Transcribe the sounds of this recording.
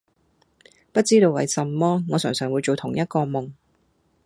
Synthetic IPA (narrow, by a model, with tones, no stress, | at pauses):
pɐ˥t̚t͡siː˥t̪o˧wɐ̰˨˧jsɐ˨mːɔː˥ŋɔː˨˧sœː˨˩ŋsœː˨ŋwu˨˧jt͡ʃo˨wt̪ʰʊ˨˩ŋjɐ˥t̚kɔː˧mʊ˨˩ŋ